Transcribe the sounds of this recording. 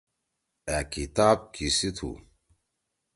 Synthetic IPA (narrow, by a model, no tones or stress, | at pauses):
ækit̪aːb̚kʰisit̪ʰṵ